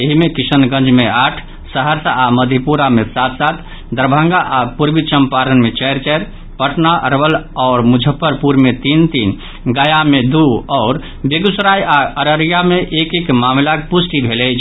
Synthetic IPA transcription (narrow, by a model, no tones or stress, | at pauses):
jeɦimẽkisənɡə̃nd͡ʒmeaːʈʰ | səɦəɾsaaməd̪ʱjipuɾamesat̪ʰsat̪ʰ | d̪əɾbʱə̃ŋɡaʔapuɾbit͡ʃəmpaɾənmet͡ʃɛɦɾt͡ʃɛɾ | pəʈʰnaʔəɾʋəlɔːɾmud͡ʒʱəpːəɾpuɾmet̪int̪iːn | ɡəjamed̪uɔːɾ | beɡusɾajaəɾəɾijameʔekekmamlakpusʈibʱelɛt͡ʃʰ